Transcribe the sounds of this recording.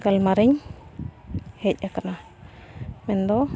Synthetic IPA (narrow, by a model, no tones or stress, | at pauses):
kalmaɾiɲ | hɛc̚akana | mɛnd̪ɔ